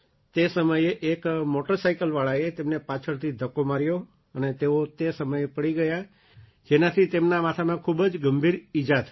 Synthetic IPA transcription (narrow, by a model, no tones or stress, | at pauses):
t̪esəməjeʔekmoʈəɾsajkəlʋaɭaet̪emnepat͡ʃʰəɭt̪ʰid̪ʱəkomaɾjo | ənet̪eot̪esəməjepəɽiɡəja | d͡ʒenat̪ʰit̪emnamat̪ʰamãkʰubd͡ʒɡəmbʱiɾid͡ʒat̪